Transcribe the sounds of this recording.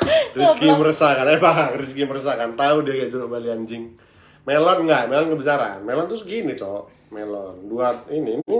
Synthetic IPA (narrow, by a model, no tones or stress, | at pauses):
riskiməɾəsakanaɛbaɦakris̬kiməɾəs̬akant̪audiakad͡ʒuɾʊbaliaɲd͡ʒɪŋ | melɔnŋɡaʔmelɔnkəbisaɾa̰nmelɔnt̪ɾʊsɡinit͡ʃɔʔ | melɔnduat̪̚inimu